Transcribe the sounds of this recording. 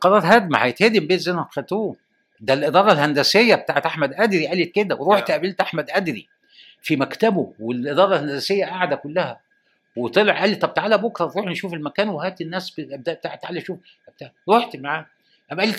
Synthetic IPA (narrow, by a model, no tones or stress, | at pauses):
qɑɾˤɑːɾˤhæd̪̚mæhæ̰jet̪heːd̪embeːzenæxæt̪uː | d̪ælʔed̪ˤɑːɾˤɑlhænd̪æsejːæbet̪aːʕet̪ʔaħmæd̪ʔæd̪ɾiʔælet̪̚ked̪æweɾˤoħt̪ʔæbelt̪ʔaħmæd̪ʔæd̪ɾi | fimækt̪æbowelʔed̪ɑːɾˤɑlhænd̪æsejːæʔaʕd̪ækʊlːæhæ | wet̪ˤeleʕʔælːit̪ˤɑb̚t̪ʕalæbokɾˤɑt̪ɾˤuːħnʃuːfelmækæːnwehæːt̪enːæːsbb̚d̪æʔbt̪aʕet̪ːʕalæʃuːf | æb̚t̪ɾˤoħt̪maʕaː | ʔæbʔæli